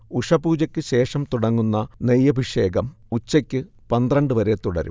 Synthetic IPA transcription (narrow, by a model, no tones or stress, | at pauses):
uʂɐbuːd͡ʑɐkʲːɨɕe̞ːʂɐmt̪uɽɐŋːunːɐnejːɐbʱiʂe̞ːɡɐm | ut͡ɕːɐkʲːɨ | pɐnd̪rɐɳɖɨʋɐɾe̞t̪uɽɐ̰ɾṵ